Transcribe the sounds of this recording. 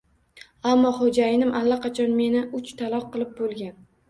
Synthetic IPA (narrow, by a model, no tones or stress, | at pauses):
amːɒχod͡ʒajɪnɪmʔalːaqʰɑt͡ʃʰɒnme̞nɪʊt͡ʃt̪ʰalˠɒq̚qːɨlˠɪp̚bolˠɡʲan